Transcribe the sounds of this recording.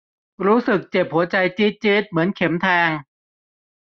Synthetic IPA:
ɾuː˦˥sɯ˨˩k̚t͡ɕe˨˩p̚hu˩˦ɐt͡ɕa˧jt͡ɕi˦˥t̪̚t͡ɕi˦˥t̪̚mɯ˩˦ənkʰe˩˦mt̪ʰɛː˧ŋ

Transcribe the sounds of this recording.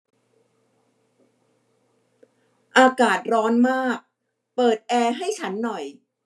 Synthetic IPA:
ʔaː˧kaː˨˩t̪̚ɾɔː˦˥nmaː˥˩k̚ | pɤː˨˩t̪̚ʔɛː˧ɦa˥˩jt͡ɕʰa˦˥nːɔ˨˩j

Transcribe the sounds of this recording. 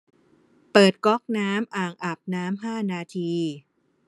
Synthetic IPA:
pɤː˨˩t̪̚kɔ˦˥k̚naː˦˥mʔaː˨˩ŋʔa˨˩p̚naː˦˥mɦaː˥˩naː˧t̪ʰiː˧

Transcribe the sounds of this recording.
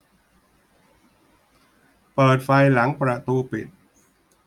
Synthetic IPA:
pɤː˨˩t̪̚fa˧jla˩˦ŋpɾa˧t̪uː˧pḭ˨˩t̪̚

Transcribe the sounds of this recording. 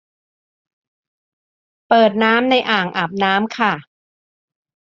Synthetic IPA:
pɤː˨˩t̪̚naː˦˥mna˧jʔaː˨˩ŋʔa˨˩p̚naː˦˥mkʰa˥˩

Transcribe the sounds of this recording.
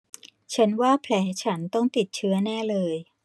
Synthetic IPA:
t͡ɕʰa˦˥nwaː˥˩pʰlɛː˩˦˥t͡ɕʰa˦˥nt̪ɔ˥˩ŋt̪i˨˩t̪̚t͡ɕʰɯ˦˥ɐnɛː˥˩lɤː˧j

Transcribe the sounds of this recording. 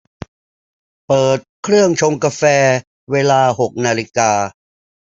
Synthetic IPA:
pɤː˨˩t̪̚kʰɾɯ˥˩əŋt͡ɕʰo˧ŋkaː˧fɛː˧ | weː˧laː˧ɦo˨˩k̚naː˧li˦kaː˧

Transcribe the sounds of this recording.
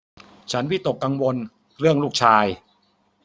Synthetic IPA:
t͡ɕʰa˦˥nwi˦˥˩t̪o˨˩kːa˧ŋwo˧n | ɾɯ˥˩əŋluː˥˩k̚t͡ɕʰaː˧j

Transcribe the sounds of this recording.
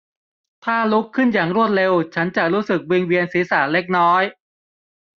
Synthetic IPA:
t̪ʰaː˥˩lu˦˥kʰːɯ˥˩njaː˨˩ŋɾu˥˩ət̪̚ɾe˧wt͡ɕʰa˦˥nt͡ɕa˨˩ɾuː˦˥sɯ˨˩k̚wiː˧ŋwi˧ənsiː˩˦saː˩˦le˦˥k̚nɔː˦˥j

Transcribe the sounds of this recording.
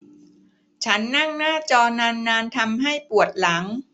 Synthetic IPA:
t͡ɕʰa˦˥nːa˥˩ŋnaː˥˩t͡ɕɔː˧naː˧nːaː˧nt̪ʰa˧mɦa˥˩jpu˨˩ət̪̚la˩˦ŋ

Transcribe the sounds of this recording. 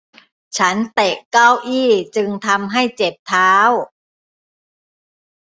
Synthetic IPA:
t͡ɕʰa˦˥nt̪ɛ˨˩kːa˥˩wʔiː˥˩t͡ɕɯ˧ŋt̪ʰa˧mɦa˥˩jt͡ɕe˨˩p̚t̪ʰaː˦˥w

